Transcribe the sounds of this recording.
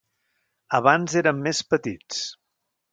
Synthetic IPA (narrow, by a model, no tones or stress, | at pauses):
əβanzeɾəmːespət̪it͡s